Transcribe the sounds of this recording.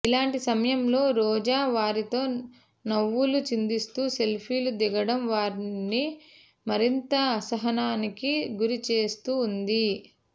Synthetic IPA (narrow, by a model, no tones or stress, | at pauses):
ilaːɳʈisɐmɐjɐmlo̞ːɾɔːd͡ʒaːʋaːɾit̪o̞ː | nɐʋːulut͡ʃind̪ist̪uːse̞lpʰiːlud̪iɡɐɽɐmʋaːɾini | mɐɾint̪ɐːsɐɦɐnaːnikiɡuɾit͡ʃe̞ːst̪uːnd̪i